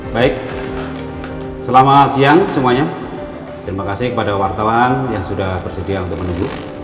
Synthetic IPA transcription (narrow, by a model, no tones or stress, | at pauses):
baɪk̚ | səlamasiaŋsəmuaɲa | t̪əɾimakasɪkəpadawart̪awanjaŋsudahbərsədiaunt̪ʊk̚mənuɡu